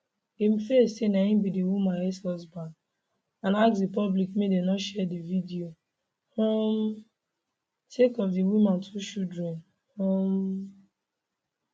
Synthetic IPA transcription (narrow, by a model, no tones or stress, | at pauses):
imfessenaĩbidiwimãnesɔsba | ãnaksdipɔblikmedenɔʃɛdividio | hɔ̃m | tekɔfdiwimãntʰuʃudɹɛ̃n | hɔ̃m